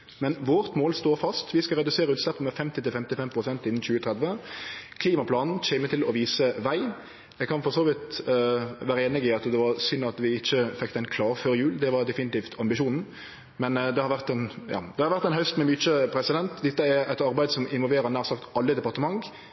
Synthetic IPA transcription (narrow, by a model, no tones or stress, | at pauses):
mɛnʋoːɾt̪moːlst̪oːfɑst̪ʋɪskɑɾɛd̪ʉseːɾəʉːt̪slɛpːəmɛfɛmt̪ɪt̪ɪlfɛmt̪ɪlfɛmpʰɾʊsɛnt̪ɪn̩ːt͡ɕʉːət̪ʰɾɛd̪ʋəkʰliːmɑpʰlɑːnn̩t͡ʃɛːmət̪ʰɪlɔʋiːsəʋæɪ | jɛɪɡkʰɑnfɔʁsoːʋɪt̪ | ʋæːɾəeːnɪɡɪɑt̪d̪ɛʋɑɾsʏnɑt̪ʋɪɪçːəfɛkt̪æɪnkʰlɑːʁføːɾjʉːld̪ɛʋɑʁd̪ɛfɪnɪt̪iːft̪ɑmbɪʃuːnn̩ | mɛnd̪ɛhɑɾʋæʁt̪ɛnjɑ̰ːd̪ɛhɑɾʋæɾʁt̪ːɛɪnɦœʏst̪mɛmyːt͡ʃəpʰɾɛsɪd̪ɛnt̪d̪ɛt̪ːəɛɾɛt̪ɑɾbæɪd̪əsɔmɪnʋɔlʋeːɾənæːʁsɑkt̪ɑlːəd̪ɛpɑʁt̪əmɑŋ